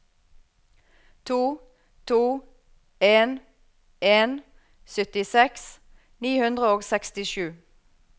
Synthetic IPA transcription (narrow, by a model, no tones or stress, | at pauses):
t̪ʰuː | t̪ʰuː | eːn | ʔeːn | sʏt̪ɪsɛks | niːhʉnd̪ʁəoːɡsɛkst̪ɪʃʉː